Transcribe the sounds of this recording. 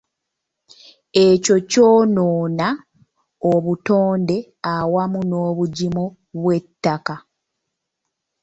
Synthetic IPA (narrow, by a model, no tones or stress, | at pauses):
e̞co̞co̞ːnoːna | oβuto̞ːnde̞ | awamuno̞ːβuɟimo | βwe̞tːaka